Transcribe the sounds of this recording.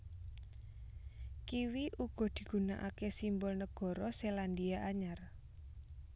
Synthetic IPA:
kiwiʔuɡ̥ɔ̤d̪̥i̤ɡ̥ṳnaʔakesimbɔlnəɡ̥ɔ̤ɾɔseland̪iaʔaɲar

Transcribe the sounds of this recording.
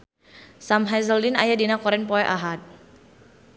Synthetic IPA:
samɦazəldinajadinakɔɾɛnpɔɛʔaɦat̪̚

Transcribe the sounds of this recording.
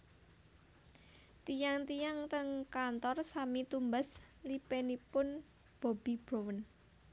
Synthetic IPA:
t̪ijaŋt̪ijaŋt̪əŋkant̪ɔrsamit̪umbaslipenipʊn | b̥o̤bib̥ɾowən

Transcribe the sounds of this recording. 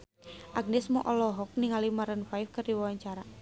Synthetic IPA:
ʔaɡ̚nɛsmɔʔɔlɔɦɔk̚niŋalimaɾənfajfkərdiwawaɲt͡ʃaɾa

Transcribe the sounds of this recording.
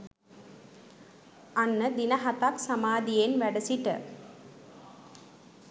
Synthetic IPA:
anːəd̪inɐɦɐt̪aksamaːd̪ijenʋæɖəsiʈə

